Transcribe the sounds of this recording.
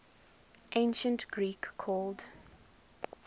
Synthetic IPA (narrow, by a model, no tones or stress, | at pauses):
ʔẽɪnʃə̃ntɡ̥ɹiːkːʰɔːld